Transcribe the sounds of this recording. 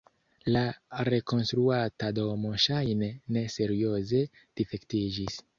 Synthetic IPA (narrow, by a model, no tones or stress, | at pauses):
laɾe̞ko̞nstɾuatado̞mo̞ʃajnene̞se̞ɾio̞ze̞ | d̥ife̞ktid͡ʒis